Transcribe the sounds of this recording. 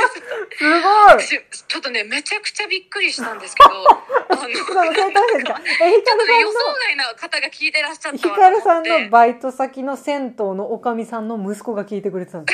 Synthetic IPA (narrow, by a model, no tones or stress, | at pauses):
sɨɡoist͡ɕot̪ːone̞me̞t͡ɕakɯ̟̥t͡ɕabʲikːɯ̟ɾʲiɕi̥t̪ãnd̪eɨ̥kdo | sõnoset̪asesɨkaeçikaɾɯ̟sãːooainakat̪aɡakʲiːt̪e̞ɾaɕːaçikaɾɯ̟sãnːo̞bait̪o̞sakʲino̞sẽ̞nt̪o̞ːno̞ːkamʲisãnːo̞mɯ̟sɨ̥ko̞ɡakʲiːt̪e̞kɯɾe̞t̪et̪ãnd̪